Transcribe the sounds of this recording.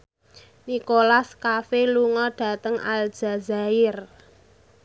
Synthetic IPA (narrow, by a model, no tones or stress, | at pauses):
nikolaskafeluŋɔɖ̥a̤t̪əŋa̰l̥d͡ʒ̥a̤zaɪr